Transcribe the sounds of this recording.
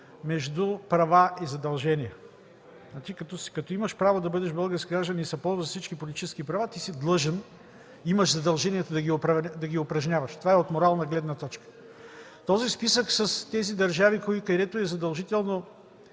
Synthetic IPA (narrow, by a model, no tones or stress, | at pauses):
mɛʒd̪upɾɐvaʔizɐd̪ɐlˠʒɛniɛ | nat͡ʃikɐt̪ɔskɐt̪ɔimɐʃpɾavod̪ɐbɤd̪ɛʃbɤlˠɡəɾskʲiɡɾaʒd̪ənisɐpɔlˠzzɐfsit͡ʃkipolʲit̪it͡ʃɛskipɾɐvat̪isid̪lˠɤʒɛn | iməʃzɐd̪ɐlˠʒɛniɛt̪ʊd̪ɐɡʲiʊpɾɐd̪ɐɡʲiʊpɾɐʒnʲavɐʃt̪ovaɛot̪moɾalˠnɐɡlɛd̪nɐt̪ɔt͡ʃkə̥ | t̪ɔzispisəksɐst̪ɛzid̪ɐɾʒavikoikɐd̪ɛt̪oɛzɐd̪ɐlˠʒit̪ɛlˠno